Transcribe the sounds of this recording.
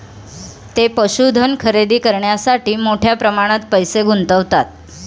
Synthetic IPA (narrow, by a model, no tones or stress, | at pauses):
t̪epəɕud̪ʱənkʰəɾed̪iːkəɾɳjasaʈiːmoʈʰjapɾəmaɽ̃at̪pəjseɡʱunt̪əʋt̪at̪̚